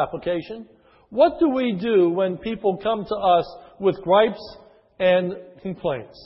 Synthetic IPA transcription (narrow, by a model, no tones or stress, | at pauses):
æpləkʰeɪʃɨ̃n | wʌt̚d̥əwidɨwə̃npʰipl̩ˠkʰʌ̃mtʰəʌswɨðɡɹaɪps | ɨ̃nkʰm̩pʰl̥ẽɪ̃nts